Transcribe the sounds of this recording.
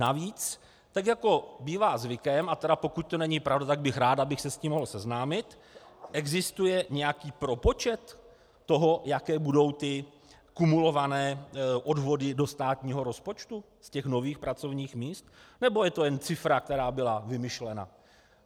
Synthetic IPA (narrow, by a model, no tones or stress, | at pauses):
naviːt͡s | t̪akjako̞biːvaːzvɪkɛmʔat̪ɛɾapo̞kuc̚t̪o̞nɛɲɪpɾavdat̪aɡ̚bɪxɾaːd̪abɪxsɛsciːmːoɦl̩sɛznaːmɪt̪ | ʔɛɡzɪst̪ujɛɲɛjakiːpɾo̞po̞t͡ʃɛt̪ː | o̞ɦo̞jakɛːbudo̞wt̪ɪ | kumulo̞vanɛːʔo̞dvo̞dɪdo̞st̪aːt̪ɲiːɦo̞ɾo̞spo̞t͡ʃt̪u | scɛxno̞viːxpɾat͡so̞vɲiːxmiːst̪nɛbo̞jɛt̪o̞jɛnt͡sɪfɾak̚t̪ɛɾaːbɪlavɪmɪʃlɛna̰